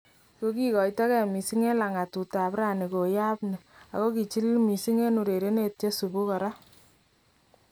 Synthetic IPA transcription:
ko˦ki˦kɔ˨jta˦kɛ˦˨mi˨si˦ŋe˦la˨ŋa˨tu˨ta˨pɾa˦˨ni˨ko˨ja˦pne˨a̰˨ko˦ki˨t͡ʃi˦lmi˨si˦ŋe˦nu˨ɾe˨ɾe˦ne˦˨t̚t͡ʃe˦su˨ku˦ka˨ɾa˦

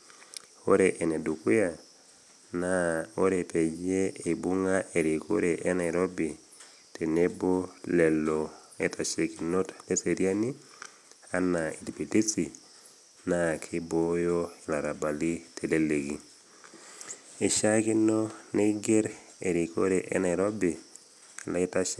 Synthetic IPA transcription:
o˦ɾe˨ʔe˨ne˨du˨ku˦ja˨ | nao˦ɾepe˨d͡ʒeː˦˨bu˦ŋa˦ʔe˨ɾi˨kʰo̰˦ɾe˨ʔe˦na˨ɪɾo˦bi˨ | tʰe˨ne˦bo˦lɛ˨lo˨e˦tʰa˨ʃe˨ki˨no˦tle˦se˨ɾia˦ni˦ | a˦na˨i˨di˨pi˨ti˦si˨ | na˦˨kʰɪ˦bo˦jo˦i˨la˨ɾa˨ba˨li˦tʰe˨le˦le˨ɡi˨˦ | e˨ʃa˦kɪ˦no˦ne˦ɡe˦ɾ | ḛ˨ɾi˨ko̰˦ɾe˨ʔḛ˦na˨ɪ˨ɾɔ˦bi˨ | lɔ˦ɪ˦ta˦ʃ

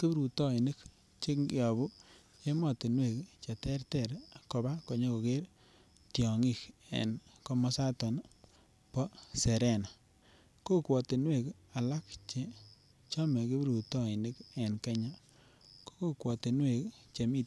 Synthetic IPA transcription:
ki˦bɾu˨tɔ˦i˨nɪ˦k | t͡ʃi˦kŋɡi˦ɔ˨bu˦ | t͡ʃe˦mɔ˨ti˨nwe˨kt͡ʃa˨tɛ˦ɾtɛ˦˨ɾkɔ˨ba˦ko˨ɲo˦ko˨ke˦ɾ | tjɔ˨ŋi˦˨kḛ˨nkɔ˦mɔ˦sa˦tɔ˨n | pɔ˦se˨ɾɛ˦˨na˨ | ko˦kwɔ˨ti˨nwe˦˨k | a˨la˦kt͡ʃe˦ | t͡ʃɔ˦mɛ˨ki˦bɾu˨tɔ˦i˨ni˦ke˨nke˦ɲa˦ | ko̥˦ko˦kwɔ˨ti˨nwe˨kt͡ʃe˨mi˦˨

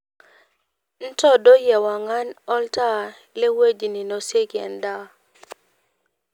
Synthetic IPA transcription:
n̩˦tɔ˦do˦jɛ˨wa˨ŋa˦nɔ˦lta˦ | le˦we˦d͡ʒi˨ni˨nɔ˨se˦kɛ̰˨nda˦

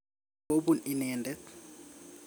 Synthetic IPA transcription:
o˦ɓu˦ni˨nɛːndʱɛ˦

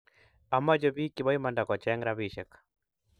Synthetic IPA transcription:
a˨ma˦d͡ʒɔβi˦ki˨ɓa˦i˦ma˨nda˨kɔ˨t͡ʃa˦ŋɾa˦βiʃɛ˨kḁ

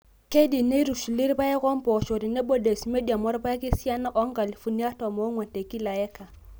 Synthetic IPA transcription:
ke˦di˨ne˦ɾu˨ʃu˨li˦ɾpa˦ɛ˦kɔ˦mpɔ˨ʃo˨ɾi˨ne˦bo˦de˨sme˦da˨mɔ˦ɾpa˦ɛ˦kɪ˦sja˦na˦ʔɔ˦ŋɡa˨li˨fu˨ni˦a˦tɔ˨mɔ˨˦ŋwɛ˨nte˨ki˦la˨ɛ˦ka˨

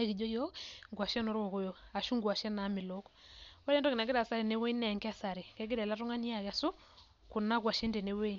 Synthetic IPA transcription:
e˦ki˨d͡ʒo˦jo˦ŋɡwa˨ʃɛ˦no˨ɾo˦˨ko˦jo˨a˨ʃu˦ŋɡwa˨ʃɛ˦na˨˦mɪ˨lo˦kwa˦ɾe˦ndɔ˦kɪ˨na˨ɡɪ˦ɾa˨sa˦ɾe˨ne˦we˦i˦nɛ˨ŋka˦˨sa˨ɾi˨kɛ˦ɡɪ˦ɾɛ˨la˦tʊ˦ŋa˦ni˦a˨ka˨so˦ | ku˨na˦k̬wa˨ʃe˦nde˨ne˦we˦

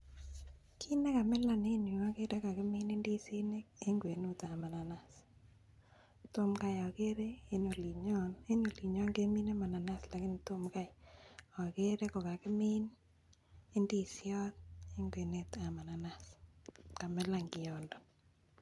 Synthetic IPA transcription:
kʰi˦ne˦ka˨mɛ˦la˨ne˦ni˨a˦ke˦ɾe˦ka˨kɪ˦mɪ˦ne˦ndi˦si˦ne˦k̚e˦ŋɡwe˨nu˦ta˨ma˨na˨na˨s | to˦mka˦jɔ˨ke˦ɾe˦e˦no˨li˨ɲɔ˦ne˦no˨li˨ɲɔ˦ŋɡe˦mi˦ne˦ma˨na˨na˦sla˨kɪ˦n˨to˦mka˦jɔ˨ke˦ɾe˦kɔ˨ka˨kɪ˦mɪ˦n | e˦ndi˦sɪ˦ɔ˦t̪̚e˦ŋɡwe˨ne˦ta˨ma˨na˨naska˨mɛ˦la˦ŋɡɪ˨jɔ˨ndɔ˨n

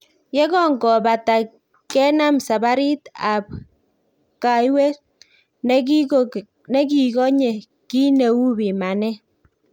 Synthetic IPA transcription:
jɛ˦kɔ˦ŋɡɔ˨ba˨ta˨ | kɛ˦na˦msa˨ba˦ɾi˦ta˨p̚ | ka˨jwe˦ | n | nɛ˦ki˨kɔ˦ɲe˨ | ki˦ne˨wu˦bi˨ma˨nɛ˦

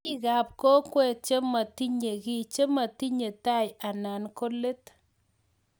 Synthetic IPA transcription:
i˦ka˨p̚ko˦kwɛ˦˨t͡ʃe˦ma˨ti˦ɲe˨ki˦t͡ʃe˦ma˨ti˦ɲe˨ta˦˨ja˨na˨nko˦le˦t

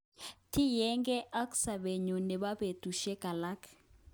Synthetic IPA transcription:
tʰi˦jɛ˦ŋɡɛ˦ʔa˦kʼu̥˦sa˨ɓe˨ɲɔ˨nɛ˨ɓa˦ɓe˨dʱu˨ʃɛ˦ɡ̥a˨la˦kʰ

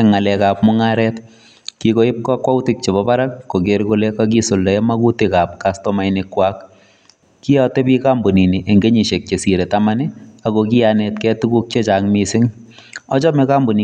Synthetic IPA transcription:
ŋːa˨lɛka˨p̚mu˦ŋa˦ɾɛt | kiko˦ɪ˦p̚kɔ˦kwa˦u˦tik̚t͡ʃe˨bɔba˦ɾa˦kːo˨keɾkolekak̬i˦so˨ldɔ˨ɛ˦maku˦tikap̚kastɔmajnɪkwak | ki˦jɔ˦te˦piː˦ka˦mbu˨ni˨ni˨ʔe˨ŋɡe˦ɲi˨ʃe˨k̚t͡ʃe˨si˨ɾe˨tamaniakoki˦janetkɛ˦tuku˦k̚t͡ʃe˦t͡ʃaŋmisɪ˦ŋ | ɔ˦t͡ʃɔ˦meka˦mbu˨ni

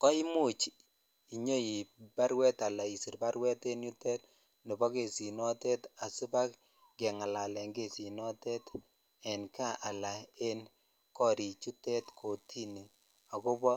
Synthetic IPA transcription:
kɔ˦i˦mu˦˨t͡ʃ | i˨ɲo˦i˨ba˦ɾwɛ˦ta˨la˨i˨si˨ɾba˦ɾwɛ˦te˦nju˦tɛ˦t | no˨bɔ˦ke˨si˨nɔ˦tɛ˦ta˨su˦ba˦k | ɡɛ˨ŋa˨la˨lɛ˨ŋɡe˦˨si˨nɔ˦tɛ˦t | ɛ˨nka˦ʔa˨la˨e˦n | kɔ˦ɾi˨t͡ʃu˦tɛ˦tkʰo˨tʰi˦ni˨ | a˨kʊ˦bɔ˦

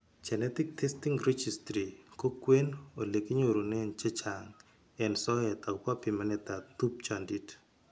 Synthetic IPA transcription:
t͡ʃɛ˨nɛ˦t̪i˦k̚tʰe˦sti˦ŋɾe˦d͡ʒi˨stɾi˨ko˦kwe˦no˨le˨ki˦ɲo˨ɾo˨nɛ˦nt͡ʃe˦t͡ʃa˨ŋ | ɛ˨nsɔ˦ɛ˨t̪a˨kwa˦pi˨ma˨nɛt̪a˨t̪u˦p̚t͡ʃandi˨t

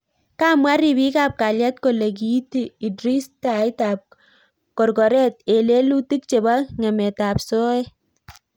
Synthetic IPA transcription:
ka˦mwa˦ɾi˨bi˦ka˨p̚ka˨lja˦t̚ko˨le˨k̬i˨˦ti˨i˨dɾi˦sta˨ɪ˦ta˨p̚ | kɔ˨rkɔ˨ɾɛ˦t̚e˨le˦lu˦ti˦k̚t͡ʃe˨ba˦ŋɛ˨mɛ˨ta˨pso˦ɛ˦

